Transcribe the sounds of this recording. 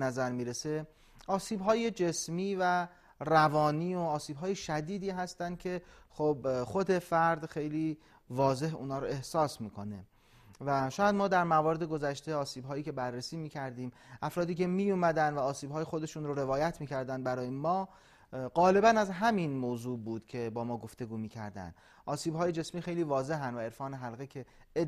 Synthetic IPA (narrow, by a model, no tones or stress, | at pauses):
næzæɾmiːɾese̞ | ɒːsiːbɦɒːje̞d͡ʒesmiːvæ | rævɒːniːoɒːsiːbɦɒːjeʃæd̪iːd̪iːɦæst̪ænd̪̚cʲʰe̞xobxod̪e̞fæɾd̪xe̞jliː | vɒːze̞ɦṵːnɒːɾoe̞hsɒːsmiːkʰo̞ne | væʃɒːjæd̪mɒːd̪æɾmævɒːɾed̪e̞ɡo̞zæʃt̪eɒːsiːbɦɒːjiːcʰe̞bærːesiːmiːcʰæɾd̪iːmʔæfɾɒːd̪iːcʰe̞miːjumæd̪ænd̪væɒːsiːbɦɒːjexo̞d̪eʃuːnɾoɾe̞vɒːjæt̪ʰmiːcʰæɾd̪ænd̪̚bæɾɒːjemɒː | ɢɒːle̞bænæzɦæminmoːzuːbuːd̪̥cʰe̞bɒːmɒːɡo̞ft̪e̞ɡuːmiːcʰæ̰ɾd̪æ̰nd̪ | ʔɒːsiːbhɒːje̞d͡ʒe̞smiːxe̞jliːvɒːze̞ɦænd̪væe̞ɾfɒːne̞ɦælɣecʰe̞